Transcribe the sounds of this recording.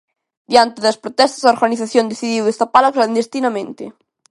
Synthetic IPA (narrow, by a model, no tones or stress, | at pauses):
d̪jant̪eðɐspɾot̪ɛst̪azaoɾɣaniθaθjõnd̪eθiðiwest̪apalakland̪est̪inamẽnt̪e